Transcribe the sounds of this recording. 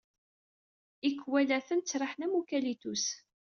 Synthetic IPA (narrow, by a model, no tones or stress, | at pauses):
ikːwælæθənt͡sːɾˤəħnæmukælit̪us